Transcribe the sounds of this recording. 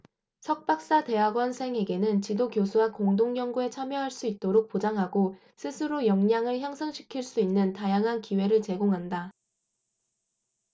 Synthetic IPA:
sʰʌk̚p͈ak̚s͈ate̞ɦaɡwʌnsʰe̞ŋɦe̞ɡe̞nɯnt͡ɕidokjosʰuwakoŋdoŋɡjʌŋɡue̞t͡ɕʰamjʌɦaɭs͈uit̚t͈oɾok̚p͈od͡ʑaŋɦaɡo | sʰɯsʰɯɾojʌŋɲaŋɯɭçjʌŋsʰʌŋɕʰi̥kʰiɭs͈uinːɯntajaŋɦankiwe̞ɾɯɭt͡ɕe̞ɡoŋɦanda

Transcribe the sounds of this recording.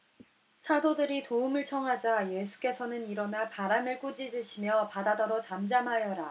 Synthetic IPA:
sʰadodɯɾitoumɯɭt͡ɕʰʌŋɦad͡ʑaje̞sʰu̥k͈e̞sʰʌnɯniɾʌnapaɾamɯɭk͈ud͡ʑidɯɕʰimjʌpadadʌɾot͡ɕamd͡ʑamɦajʌɾa

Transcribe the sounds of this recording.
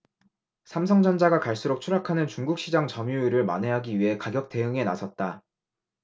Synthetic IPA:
sʰamsʰʌŋd͡ʑʌnd͡ʑaɡakaɭs͈uɾok̚t͡ɕʰuɾakʰanɯnt͡ɕuŋɡuk̚ɕ͈ʰid͡ʑaŋt͡ɕʌmjuiɾɯɭma̰ne̞ɦaɡiɥiɦe̞kaɡjʌk̚t͈e̞ɯŋe̞na̰sʰʌt̚t͈a

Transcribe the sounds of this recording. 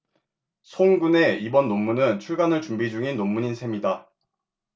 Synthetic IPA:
sʰoŋɡune̞ibʌnːomːunɯnt͡ɕʰuɭɡanɯɭt͡ɕumbid͡ʑuŋinːomːuɲinsʰe̞mida

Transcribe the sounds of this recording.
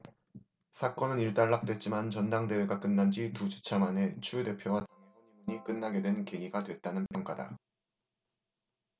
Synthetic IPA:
sʰak͈ʌnɯniɭt͈aɭːak̚t͈we̞t̚t͡ɕ͈imant͡ɕʌndaŋde̞we̞ɡak͈ɯnːand͡ʑitud͡ʑu̥t͡ɕʰamane̞t͡ɕʰude̞pʰjowataŋmimuɲik͈ɯnːaɡe̞dwe̞nke̞iɡadwe̞t̚t͈anɯnpʰjʌŋk͈ada̰

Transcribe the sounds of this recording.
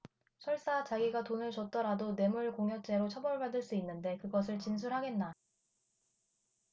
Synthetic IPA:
t͡ɕʰʌɭs͈at͡ɕaɡiɡatonɯɭt͡ɕʌt̚t͈ʌɾadone̞muɭkoŋɦjʌt͡ɕ͈e̞ɾot͡ɕʰʌbʌɭbadɯɭs͈uinːɯnde̞kɯɡʌs̬ʰɯɭt͡ɕins̬ʰuɾɦaɡe̞nːa

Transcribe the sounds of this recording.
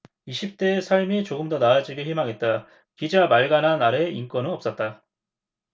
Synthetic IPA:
iɕʰip̚t͈e̞sʰaɭmit͡ɕoɡɯmdʌnaːd͡ʑiɡiɭçimaŋe̞t̚t͈a | kid͡ʑamaɭɡanɦanaɾeink͈wʌnɯnʌp̚s͈ʌt̚t͈a

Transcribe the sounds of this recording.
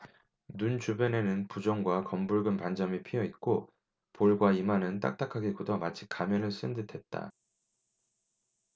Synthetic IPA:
nunt͡ɕubjʌne̞nɯnpud͡ʑʌŋɡwakʌmbuɭɡɯnpand͡ʑʌmipʰijʌit̚k͈o | poɭɡwaimanɯnt͈a̰k̚t͈akʰaɡekudʌmat͡ɕʰi̥k͈amjʌnɯɭs͈ɯndɯtʰe̞t̚t͈a̰

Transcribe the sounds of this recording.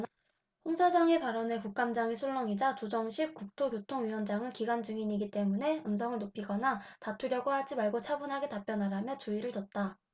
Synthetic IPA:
ɸoŋsʰad͡ʑaŋe̞paɾʌne̞kuk̚k͈amd͡ʑaŋesʰuɭːʌŋid͡ʑat͡ɕod͡ʑʌŋɕʰik̚k͈uk̚tʰokjotʰoŋɥiwʌnd͡ʑaŋɯnkiɡand͡ʑɯŋiɲiɡit͈e̞mune̞ɯnsʰʌŋɯɭnopʰiɡʌnatatʰuɾjʌɡohad͡ʑimaɭɡot͡ɕʰabunɦaɡe̞tap͈jʌnɦaɾamjʌt͡ɕuiɾɯɭt͡ɕʌt̚t͈a

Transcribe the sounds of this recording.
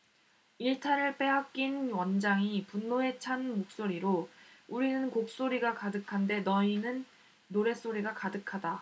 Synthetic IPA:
iɭtʰaɾɯɭp͈e̞ɦak̚k͈inwʌnd͡ʑaŋipunːoe̞t͡ɕʰanmok̚s͈oɾiɾouɾinɯnkok̚s͈oɾiɡakadɯkʰande̞nʌinɯnː | oɾe̞s͈oɾiɡakadɯkʰada

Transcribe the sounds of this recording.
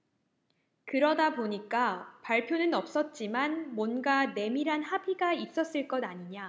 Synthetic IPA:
kɯɾʌdaboɲik͈apaɭpʰjonɯnʌp̚s͈ʌt̚t͡ɕ͈imanmwʌnɡane̞miɾɦanhabiɡais͈ʌs͈ɯɭk͈ʌdaɲiɲa

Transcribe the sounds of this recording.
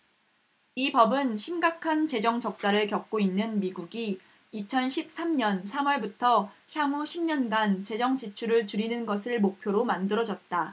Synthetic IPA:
ipʌbɯnɕʰimɡakʰant͡ɕe̞d͡ʑʌŋt͡ɕʌk̚t͡ɕ͈aɾɯɭkjʌk̚k͈oinːɯnmiɡuɡi | it͡ɕʰʌnɕʰip̚s͈ʰamɲʌnsʰamwʌɭbutʰʌçjamuɕʰimɲʌnɡant͡ɕe̞d͡ʑʌŋt͡ɕit͡ɕʰuɾɯɭt͡ɕuɾinɯnɡʌsʰɯɭmok̚pʰjoɾomandɯɾʌd͡ʑʌt̚t͈a

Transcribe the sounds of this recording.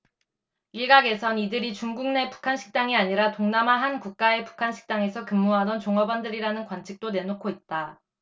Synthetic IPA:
iɭɡaɡe̞sʰʌnidɯɾit͡ɕuŋɡuŋne̞pu̥kʰanɕʰi̥k̚t͈aŋiaɲiɾatoŋnamaɦankuk̚k͈ae̞pu̥kʰanɕʰi̥k̚t͈aŋe̞sʰʌkɯmːuɦadʌnt͡ɕoŋʌbandɯɾiɾanɯnkwant͡ɕʰi̥k̚t͈one̞nokʰoit̚t͈a

